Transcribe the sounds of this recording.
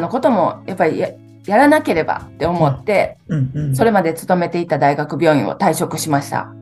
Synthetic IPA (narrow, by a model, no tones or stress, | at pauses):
no̞kot̪o̞mo̞jʔapːaɾʲi | jaɾanake̞ɾe̞ba̰t̪ːe̞o̞mo̞t̪ːe̞ | so̞ɾe̞mad̪e̞t͡sɨ̥t̪o̞me̞t̪e̞it̪ad̪aiɡakɯ̟bʲo̞ːḭ̃ɰ̃o̞̰t̪aiɕo̞kɯ̟ɕimaɕi̥t̪a̰